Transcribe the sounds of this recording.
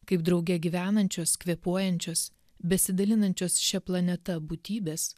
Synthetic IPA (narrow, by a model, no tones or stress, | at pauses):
kɐɪpd̪ɾɒʊɡʲɛɡʲiʋʲæːnɐnʲt͡ʃʲoːskʋʲiɛpuɔjɛnʲt͡ʃʲoːs | bʲɛsʲɪd̪ɐlʲɪnɐnʲt͡ʃʲoːsʃʲɛplˠɐnʲɛt̪ɐbuːt̪ʲiːbʲeːs